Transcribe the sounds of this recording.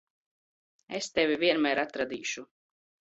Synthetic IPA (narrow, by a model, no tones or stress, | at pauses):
est̪ɛvʲivʲiɛnmæːɾat̪ɾad̪iːʃu